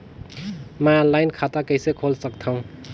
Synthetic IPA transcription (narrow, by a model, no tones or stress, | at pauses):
mãnlajnkʰat̪akəjsekʰolsʌkt̪ʰʌw̃